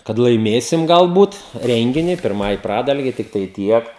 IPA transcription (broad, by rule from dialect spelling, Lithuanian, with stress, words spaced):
kɐt lˠɐɪˈmʲeːsʲɪm ɡɐlˠˈbuːt ˈrʲɛŋʲɡʲɪnʲɪ pʲɪrˈmɐɪ ˈprɑːdɐlʲɡʲɛɪ tʲɪkˈtɐɪ ˈtʲiɛk